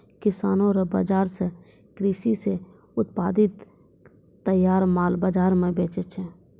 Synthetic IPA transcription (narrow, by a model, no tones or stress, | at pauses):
kɪsaːnõɾəba̰d͡ʒaːɾse | kɾiːsise | ʊt̪̚paːd̪ɪt̪ː | əjaːɾmaːlbad͡ʒaːɾmẽbeːt͡ʃet͡ʃʰɛ